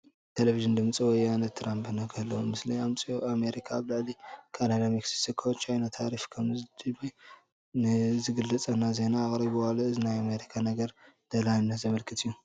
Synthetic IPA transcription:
t̪ʰeleviʒɨnd̪ɨmt͡sʼiwɔjanɐt̪ʰːɨɾampʰɨnakʰɐlːɐwomɨsliamt͡sʼioʔame̞ɾikʰaβlɨʕlikʰalalamiksi̥ksikʰːot͡ʃʰajnat̪ʰaɾifkʰɐmzd̪ɨbi | nɨzɨɡɨlːɐt͡sʼɐnːaze̞naːχʼɾɐβɨwalaɨzinajame̞ɾikʰanɐɡɐɾd̪̥ɐlajnːazɐmɐlkʰɨt̪ʰijːu

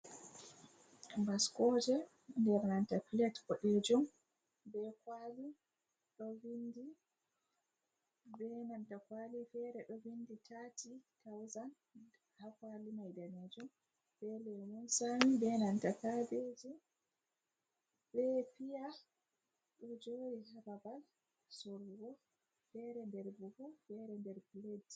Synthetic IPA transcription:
baskɔd͡ʒɛ | ndɛɾnantakilɛtkɔɗed͡ʒum | bɛkwali | ɗɔvindi | bɛnantakwalifɛɾɛɗɔvinditʰaːtitawzan | hakwalimajdaned͡ʒum | bɛlɛwunsamibɛnantakabed͡ʒi | bɛpija | ɗɔd͡ʒoɾihababal | sɔɾɡɔ | fɛɾɛndɛɾbufufɛɾɛndɛɾpiledi

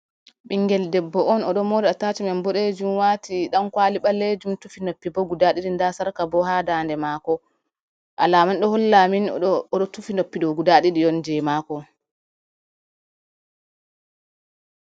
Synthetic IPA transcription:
ɓiŋɡɛldɛbːɔɔnɔɗɔmɔdɛataːt͡ʃimɛmbɔɗed͡ʒumwatiɗankwaːliɓalːed͡ʒumtufinopːibɔɡudaɗiɗindasaɾkabɔhaːdandɛmaːkɔ | ʔa̰laːmanɗɔhɔlːaminɔɗɔtufinopːiɗɔɡudaɗiɗijɔnd͡ʒɛmaːkɔ

